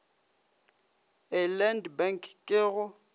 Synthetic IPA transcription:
ɪlɛndbɛŋkʰkʼɪːɣʊ

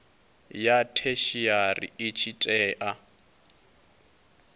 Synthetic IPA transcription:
jatʰeʃiarḭɪt͡ʃʰitʼɛːʔa

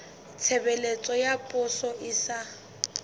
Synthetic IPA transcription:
t͡sʰebɛlet͡sʼɔjapʼʊsɔʔɪsa

